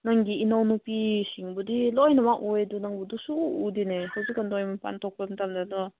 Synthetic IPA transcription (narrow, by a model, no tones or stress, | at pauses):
naŋɡiːnawnupisiŋbudilɔjnamaʔujdunaŋbudusuːdinehawzikanlɔjmɐpa̰ntʰɔk̚pɐmtamdanɔ